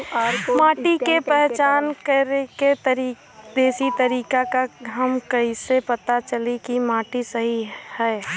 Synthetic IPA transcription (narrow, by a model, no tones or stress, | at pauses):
maːʈikepɛɦt͡ʃaːnkəɾeket̪əɾi | d̪eːsit̪əɾiːkakaɦɐmkɐisepɐt̪at͡ʃəlikimaːʈisəɦihɛː